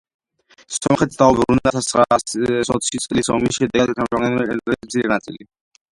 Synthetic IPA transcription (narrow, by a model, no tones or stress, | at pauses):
sɔmχɛt̪sd̪aubɾunɛnat̪ʰasɾasɔt̪ʰsʰit̪sʼlisɔ̰misʃɛd̪ɛk̪ʰamamɛɛɛnɛismt̪sʰiɾɛnat̪sʼḭli